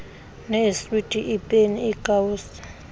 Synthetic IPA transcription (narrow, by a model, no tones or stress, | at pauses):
nɛsitʼiʔipʼeniːkʼaus